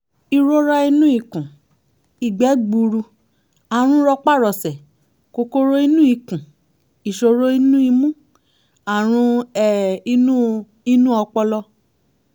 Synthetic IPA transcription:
i˧ɾo˦ɾa˦i˧nũ˦i˦˨kũ˨ | i˨ɡ͡bɛ˨˦ɡ͡bu˧ɾu˧ | a˨ɾ̃ũ˦ɾɔ˧k͡pa˦˨ɾɔ˨sɛ˨ | ko˧ko˦ɾo˦i˦nũ˦i˦˨kũ˨ | i˨ʃo˧ɾo˦i˦nũ˦i˧mũ˦ | a˨ɾ̃ũ˧˦ɛ˨i˦nũ˦ | i˦nũ˦ɔ˧k͡pɔ˧lɔ˧

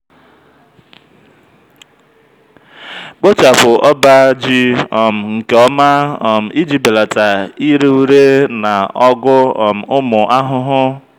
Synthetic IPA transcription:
k͡po˦t͡ʃa˨pʊ˨ʔɔ˦ba˦d͡ʒi˦ɔ˨m̩˨ŋ̩˨ke˨ɔ˦ma˦ɔ˨m̩˨i˦d͡ʒi˦be˨la˨ta˨i˦ɾe˦u˦ɾe˦na˨ɔ˦ɡʊ˦˨m̩˨ʊ˦mʊ˨ʔa˦ɦʊ˦ɦʊ˦

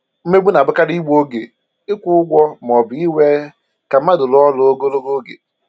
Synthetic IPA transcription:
m̩˦me˦ɡ͡bʷu˦n˨a˨bʊ˦ka˦ɾi˦ɡ͡bo˦ɡe˨ | ɪ˦kʷʊ˦ʊ˦ɡʷɔ˦m˨ɔ˨bɪ˨i˦we˦ | ka˨m̩˦a˦dʊ˨lɔ˦lʊ˨o˦ɡo˦lo˦ɡo˦ɡḛ˨

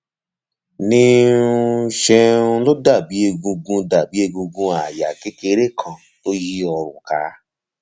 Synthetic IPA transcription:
nĩ˦˧ũ˦˧ʃɛ˧ũ˧lo˦da˦˨bi˨˦e˧ɡũ˧ɡũ˧da˨bi˨˦e˧ɡũ˧ɡũ˧a˨ja̰˨ke˦ke˧ɾe˦kʰã˨ | to˦ji˦ɔ˧ɾṵ̃˨ka˧˦

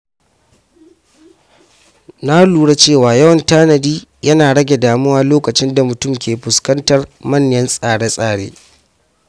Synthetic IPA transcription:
na˦luː˨ɽa˦t͡ʃeː˦˨waː˨jɐ˦wɐ˨ntaː˦nɐ˨diː˦jɐ˦naː˨ɽɐ˦ɡʲe˨daː˨mʊ˦waː˦loː˦kɐ˨t͡ʃɪ˦nda˨mʊ˨tʊ˦˨mkʲʰeː˨ɸʊ˨skɐ˦ntɐ˨rmɐ˦˨ɲjɐ˦nsʼaː˨ɽe˦sʼaː˦˨ɽḛː˦

